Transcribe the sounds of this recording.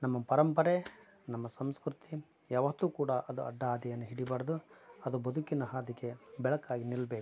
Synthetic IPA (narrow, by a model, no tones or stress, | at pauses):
nɐmːɐpɐɾɐmpɐɾe | nɐmːɐsɐmskɾut̪ʰijaːʋɐt̪ːuːkuːɽɐʔɐd̪uɐ̰ɖːaaːd̪ɐjɐnːuɦiɽibaːɾɐd̪uɐd̪ubɐd̪ʱukinɐɦaːd̪iɡe̞bɛɭɐkaːɡinilbeːku̥